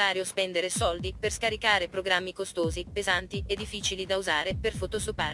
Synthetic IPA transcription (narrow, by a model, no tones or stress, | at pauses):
aːɾjospɛnd̪eɾesɔld̪iperskaɾikaːɾepɾoɡɾamːikost̪oːzipezant̪ied̪ːifːiːt͡ʃilid̪auzaːɾeperfot̪osopaː